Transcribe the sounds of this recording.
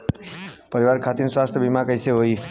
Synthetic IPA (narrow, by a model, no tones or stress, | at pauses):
pəɾiʋaɾkʰat̪inswast̪ʰjəbimãkəjsʰeɦoi